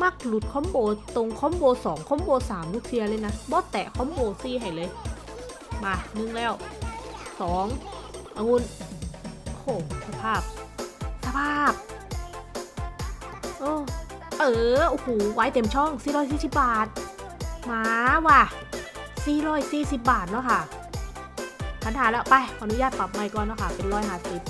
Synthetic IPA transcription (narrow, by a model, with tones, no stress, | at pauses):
ma˧˥˩k̚lu˨˩t̪̚kʰɔ˧˥˨mboː˧t̪o˧ŋkʰɔ˧˥˨mboː˧sɔː˩˦ŋkʰɔː˧˥˨mboː˧saː˩˦mluː˥˩k̚sʰi˧ɐ˧lːjna˦˥bɔː˧˥˦t̪ɛ̰˨˩kʰɔː˧˦˥mboː˧siː˧ɦa˧˨˩jlɤː˧j | maː˧nɯ˧˩ŋlɛː˧˩w | sɔː˩˦ŋʔa˧ŋu˧˩n | kʰoː˧˩sa˧˩pʰaː˥˩p̚sa˧pʰaː˧˩p̚ | ʔɤː˧˩ | ʔɤː˧˩ʔo˧˩hoː˨˩wa˨˧˦jt̪e˨˧˩mt͡ɕʰɔ˥˩ŋsiː˧˨˦ɾɔː˥˩js̬iː˧˩si˨˩p̚baː˨˩t̪̚maː˧˦waː˧˩ | siː˧˨˩ɾɔː˧˥˩jsiː˧˩si˨˩p̚baː˨˩t̪̚nɔ˧˥˩kʰa˥˩ | pʰa˨˧˥nhaː˨˦lɛ˧˥pa˧˩jnu˦jaː˥˩t̪̚pa˨˩p̚maː˧˩jkɔː˧˨nːɔ˧˥˩kʰa˥˩pe˧nɾɔː˧˩jɦaː˧˩si˨˩p̚